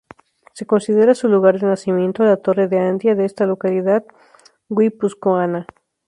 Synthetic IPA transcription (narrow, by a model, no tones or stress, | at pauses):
se̞ko̞nsiðeɾasuluɣaɾðenasimjẽ̞nt̪oalat̪o̞reðeand̪jaðeest̪alo̞kaliðað | ɡwipuskoana